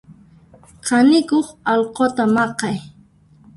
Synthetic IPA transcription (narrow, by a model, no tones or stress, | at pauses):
qʰɑnɪkoχɑlqot̪amɑqɑj